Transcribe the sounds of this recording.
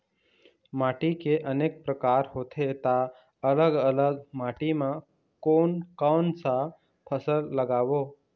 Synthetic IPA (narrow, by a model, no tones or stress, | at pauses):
maʈikeʔəneːk̚pɾəkaːɾɦot̪ʰet̪a | ələɡələɡmaʈimã | koːnkant͡sa | pʰəsəlːəɡaːʋo